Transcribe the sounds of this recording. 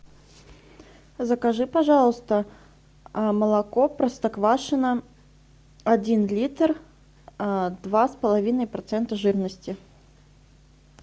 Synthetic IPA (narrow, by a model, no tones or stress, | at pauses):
zəkɐʐɨpɐʐɑlˠəst̪ə | məlˠɐkopɾəst̪ɐkvaʂɨnə | ɐdʲinlʲit̪r | d̪vaspəlˠɐvʲinəjpɾɐt̪sɛnt̪əʐɨrnəsʲtʲɪ